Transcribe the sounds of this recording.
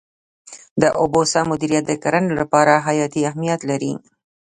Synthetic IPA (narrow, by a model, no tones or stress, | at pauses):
d̪əʔobosɑmʊd̪iɾijat̪̚d̪əkaɾanlapɑɾaɦajɑt̪iahmijat̪laɾi